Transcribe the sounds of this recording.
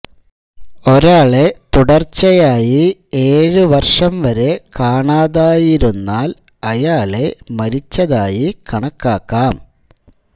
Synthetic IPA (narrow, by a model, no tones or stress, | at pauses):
o̞ɾaːɭe̞t̪uɽɐrt͡ɕːɐjaːjie̞ːɻɨʋɐrʂɐmʋɐɾe̞kaːɳaːðaːjiɾunːaːl | ɐjaːɭe̞mɐɾit͡ɕːɐðaːjikɐɳɐkːaːkːaːm